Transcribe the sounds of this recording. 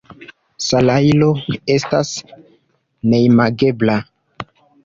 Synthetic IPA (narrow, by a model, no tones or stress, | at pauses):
salajlo̞e̞stas | nejmaɡe̞bla